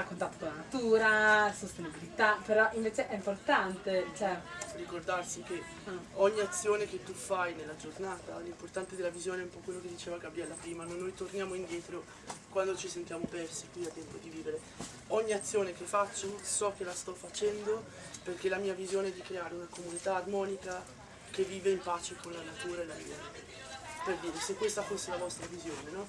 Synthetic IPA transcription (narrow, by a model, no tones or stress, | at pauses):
akːont̪at̪ːo̥kolanat̪uːɾasost̪enibilit̪apeɾɔʔiɱveːt͡ʃeʔɛimport̪ant̪et͡ʃɛrikord̪arsike | ɔɲːiat̪sːjoːnek̟et̪ːufajnelːad͡ʒornaːt̪alimport̪ant̪ed̪elːavizjoːneɛumpɔkːwelːoked̪ːit͡ʃeːvaɡabːjɛlːapɾiːmanonːojt̪ornjaːmoind̪jɛːt̪ɾo | kwand̪ot͡ʃisent̪jaːmopɛrsikwiat̪ːɛmpod̪iviːveɾe | ɔɲːiat̪sːjoːnek̟efːat͡ʃːosɔk̟ːelast̪ɔfat͡ʃɛnd̪o | perk̟elamiːavizjoːneɛd̪ikɾeaːɾeunakomunit̪aːd̪mɔːnika | k̟evːiːveimpaːt͡ʃekonlanat̪uːɾaelamḭːa | perd̪iːɾesekːwest̪afosːelavɔst̪ɾavizjoːnenɔ